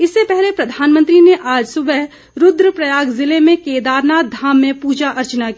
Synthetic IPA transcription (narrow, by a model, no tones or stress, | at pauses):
ɪsːepɛɦlepɾɐd̪ʱaːnmə̃nt̪ɾineʔaːd͡ʒsʊbəɦ | ɾʊd̪ɾəpɾɐjaːɡzɪlemẽkeːd̪aːɾnaːd̪ʱaːmːẽpuːd͡ʒaʔɐɾt͡ʃnaki